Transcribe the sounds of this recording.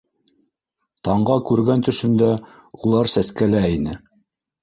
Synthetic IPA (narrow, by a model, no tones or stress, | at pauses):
t̪ɑɴɢɑkʉɾɡænt̪ɵ̆ʃɵ̆nd̪æ | ulˠɑɾsæskælæinɘ